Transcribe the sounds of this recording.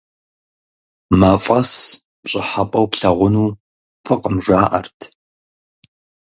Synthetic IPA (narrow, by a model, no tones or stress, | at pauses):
mɐfʼɐs | ɕʼɪħapʼɐwpɬɐʁʷʊnuː | pʰɨqəmʒʷaːʔɐ̰rtʰ